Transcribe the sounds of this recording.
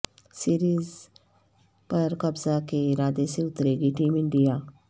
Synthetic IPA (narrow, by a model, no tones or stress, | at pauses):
siːɾiːz | pɐɾkɐbzakeɾaːd̪eseʊt̪ɾeːɡiʈiːmɪ̃ɳɖijaː